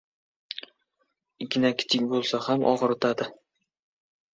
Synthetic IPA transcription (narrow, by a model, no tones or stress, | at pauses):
ɪkʲʰɪnakʲʰɪ̥t͡ʃ̪ʰɪkʲbolˠsahamʔɒ̰ʁɨɾɪt̪ʰad̪ɪ